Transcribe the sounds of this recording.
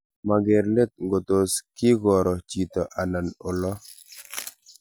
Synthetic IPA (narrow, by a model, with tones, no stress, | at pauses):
ma˨ɡɛ˨ɾle˦t̪̚ŋɡo˨t̪o˨skɪ˦ɡɔ˨ɾɔ˨t͡ʃi˨t̪ɔ˨ʔa˨na˨nɔ˨lɔ˦